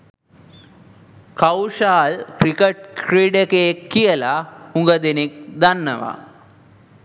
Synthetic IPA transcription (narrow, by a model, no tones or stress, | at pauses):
kawʂaːlkɾikeʈ̚kriɖekekːijəlauŋɡəd̪enik̚d̪anːɐ̰ʋa̰